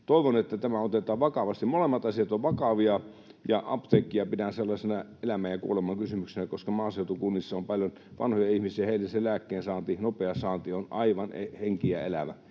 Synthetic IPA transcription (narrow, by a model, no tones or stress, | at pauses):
t̪oˑiʋonet̪ːæt̪æmæot̪et̪ɑːʋʋɑkɑʋɑst̪imolemːɑt̪ɑsiɑt̪oʋʋɑkɑʋiɑ | jɑʔɑ̰pt̪eːkːˑiɑpidænselːɑsʲenɑelæmæːjjɑkṵolemˑɑkysymyksenækoskɑmɑːseˑut̪ukunːisːɑompɑljon | ʋʔɑ̰nhojɑihmisiæheˑilːæsellæːkːeːnsɑːnt̪inopeɑsɑːnt̪ionɑiʋɑneheŋkiæelæʋæ̰